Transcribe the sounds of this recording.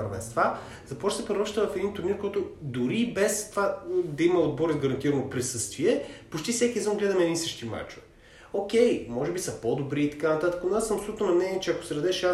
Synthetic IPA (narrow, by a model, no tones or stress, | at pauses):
əɾvɛ̰nst̪va | zɐpɔt͡ʃsɛpɾoɾɔʃt̪əvɐfɛd̪int̪ʊɾniɾkɔjt̪ʊd̪ʊɾibɛst̪ovad̪ɐimɐod̪̚bɔɾid̪ɡɐɾɐnt̪iɾɐnopɾisɤst̪viɛpot͡ʃt̪ifsɛkʲizəmɡlɛd̪ɐmɛd̪insəʃt̪ima̰t͡ʃo | ok̟ɛjmɔʒɛbisɐpod̪obɾiːt̪ɐ̥kanɐt̪at̪ə̥kɐonasɐpsolut̪onɐmnɛniɛt͡ʃɛɐko̥sɛɾɐd̪ɛʃa